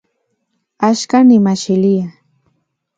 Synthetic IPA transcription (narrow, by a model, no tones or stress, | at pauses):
aʃkanɪmaʃɪlɪja